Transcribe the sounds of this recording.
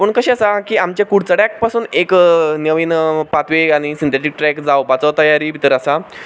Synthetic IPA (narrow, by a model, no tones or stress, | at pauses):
pəɳkəɕẽəsakiːamt͡ɕjakuɽt͡səɽjak̚pasuːneknəʋiːnpat̪ʋeaɽ̃isint̪ʰeʈ̬ik̚ʈɾɛkd͡zawpat͡sɔt̪əjaɾiːbʱit̪əɾəsa